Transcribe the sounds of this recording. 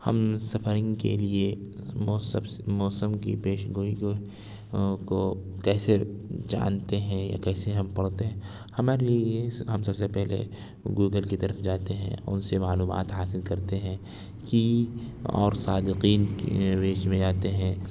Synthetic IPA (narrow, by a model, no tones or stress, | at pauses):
hɐ̰msɐfəɾɪ̃ŋɡkḛliemɔsb | mɔːsəmkḭpeːʃɡoːi | kokɛːsed͡ʒa̰ːnt̪eɦɛ̃ja̰kɛːseɦɐmpɐɽ̤t̪eɦɛ̃ː | hɐmaːɾelieɦɐmsɐbsepɛɦlḛ | ɡuːɡəlkit̪ɐɾəfd͡ʒaːt̪eɦɛ̰̃ʊ̰nsemaːluːma̰ːt̪ɦaːsɪlkɐɾt̪eɦɛ̃ | ki | ɔ̰ːɾsaːd̪ɪqiːnɾeːt͡ʃmẽd͡ʒaːt̪eɦɛ̃ː